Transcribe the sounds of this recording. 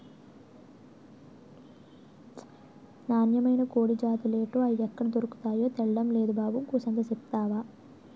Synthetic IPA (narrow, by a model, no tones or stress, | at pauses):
naːnjɐmɐjnɐkoːɽid͡ʒaːt̪uleːʈuːɐjiɛkːɐɽɐd̪oɾuku̥t̪aːjo̞ːt̪ɛɭɐɖɐmle̞ːd̪ubaːbumkuːsɐnd̪ɐsipt̪aːʋaː